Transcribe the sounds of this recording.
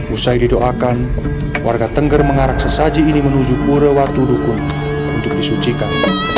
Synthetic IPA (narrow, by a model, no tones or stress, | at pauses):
usajdidoʔakan | wʔarɡat̪əŋɡərməŋaɾak̚səsad͡ʒiːnimənud͡ʒupuɾəwat̪udukʊn | unt̪ʊk̚disut͡ʃikan